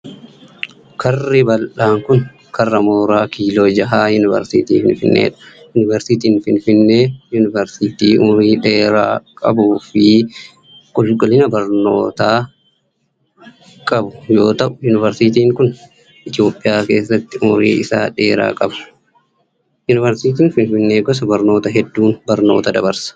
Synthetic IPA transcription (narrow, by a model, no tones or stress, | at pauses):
kʰɐrːɪbɐlᶑaːŋkʊn | kʰɐrːɐmoːɾaːkʰiːlo̞ːd͡ʒɐɦaːjʊnɪvɛ̰ɾsɪt̪iːfɪnfɪnːḛːᶑɐ̥ | jʊnɪvɛɾsɪt̪iːnfɪnfɪnːe̞ːjʊnɪvɛɾsɪt̪iːʔʊmɾiːᶑe̞ːɾa̰ːkʼɐbuːfɪ | kʼɔlkʼɔlɪnɐbɐɾno̞̰ːt̪aː | kʼɐbʊjo̞ːt̪ɐʔʊjʊnɪvɐɾsɪt̪iːŋkʊn | ʔɪt̪ɪjo̞ːpʼːɪjaːke̞ːsːɐt̪ːɪʔʊmɾḭːʔɪsa̰ːᶑe̞ːɾa̰ːkʼɐbɐ̥ | jʊnɪvɐɾsiːt̪iːnfɪnfɪnːe̞ːɡɔs̬ɐbɐɾno̞ːt̪ɐɦɛd̪ːuːnbɐɾno̞ːt̪ɐd̪ɐbɐɾsɐ̥